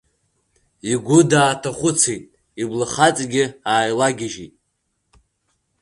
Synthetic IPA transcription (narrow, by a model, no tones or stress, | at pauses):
iɡʷʊdaːtʰaχʷʊt͡sʰejtʼ | iblɨχat͡sʼɡʲɪaːjlaɡʲɪʒitʼ